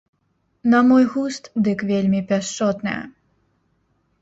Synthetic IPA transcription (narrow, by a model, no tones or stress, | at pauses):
nɐmɔjɣust̪d̪ɨkvʲelʲmʲipʲaʂt͡ʂɔt̪nɨ̰jɛ̰